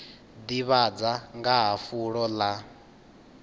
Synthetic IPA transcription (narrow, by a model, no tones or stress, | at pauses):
d̪iβad͡zaŋɡaɦafuɺɔla